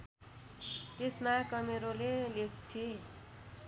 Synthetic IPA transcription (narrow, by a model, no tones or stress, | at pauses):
t̪esmakʌmeɾolelek̚ʰt̪ʰie